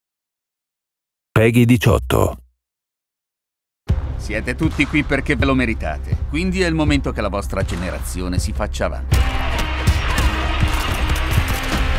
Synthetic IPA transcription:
pɛːɡid̪it͡ʃɔ̰t̪ːo̰ | sjɛːt̪et̪ut̪ːikwipːerkevːelomeɾit̪a̰ːt̪ekwind̪iɛilmoment̪ok̟elːavɔst̪ɾad͡ʒeneɾa̰t̪sːjoːnesifat͡ʃːaːva̰nt̪i

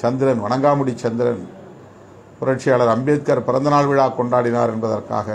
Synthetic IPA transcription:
t͡ʃɐnd̪ɪɾɐnʋɐɳɐŋɡaːmɯɽit͡ʃːɐnd̪ɪɾɐn | pʊɾɐʈ̚t͡ʃɪjaːɭɐɾɐmbɪjɐt̪̚kaːɾpɪɾɐnd̪ɐnaːɭʋɪɻaːkɔɳɖaːɽɪna̰ːɾɛnbɐðɐrka̰ːɣɐ

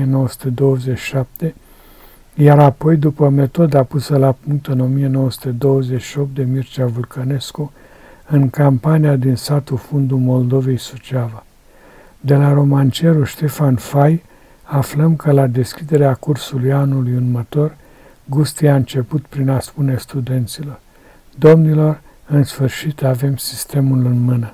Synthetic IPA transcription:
eno̞wəsu̥t̪e̞d̪o̞wəzet͡ʃːi̥ʃap̚t̪e̞ | jaɾapo̞jd̪upəme̞t̪o̞d̪apusəlapuŋk̚t̪ɨno̞mije̞no̞wəsu̥t̪e̞d̪o̞wəzeʃio̞p̚t̪̚d̪emirt͡ʃavurkʰəne̞sku | ɨŋkampaniad̪insat̪ufund̪ulmo̞ld̪o̞ve̞jsut͡ʃava | d̪e̞laɾo̞mant͡ʃe̞ɾuʃt̪e̞fanfaj | afləmkəlad̪e̞skʲid̪e̞ɾeakursulujanulujunmət̪o̞r | ɡust̪ijaɨnt͡ʃe̞put̪pɾinaspune̞st̪ud̪e̞nt̪silo̞r | d̪o̞mnilo̞r | ɨnsfɨrʃit̪ave̞msist̪e̞mulɨnmɨnə

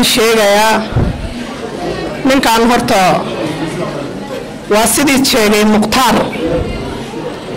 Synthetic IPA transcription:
nʃɛːɣɐjaː | nɪŋkʰaːnɦɔrt̪ʰɐ | wɑːsɪðiːt͡ʃɛːɣɛjmʊqt̪ʰaːr

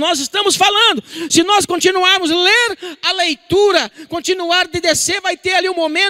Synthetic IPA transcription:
nɔzɪst̪ɐ̃mʊsfalɐ̃nd̪ʊsɪnɔskõt͡ʃinuaɾmʊzleɾɐlejt̪uɾɐkõnt͡ʃinuaɾd̪ɪd̪eseɾvajt̪eɾaliũmomẽ

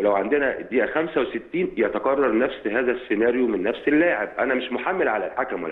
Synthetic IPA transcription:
elæwʕand̪enæd̪iːʔæxæmsæweset̪ːiːnjæt̪ɑqɑrˤːɑɾˤnæfsɦæːzæsːenæːɾjomenːæfselːaːʕeb̚ʔænæmɪʃmoħamːelʕalælħakæmwæ̰

